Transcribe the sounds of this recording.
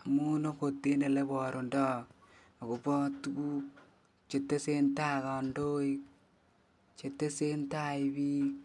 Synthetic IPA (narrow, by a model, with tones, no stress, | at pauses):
a˨mu˦no˦ko˨tːe˦ne˨le˦bɔ˨ɾo˨ndɔ˦ | a˨ko˨pɔ˦tu˦ɡu˦ | t͡ʃe˨tːe˦se˦nta˦ka˨ndo˦i | t͡ʃe˨tːe˦se˦nta˦ibi˦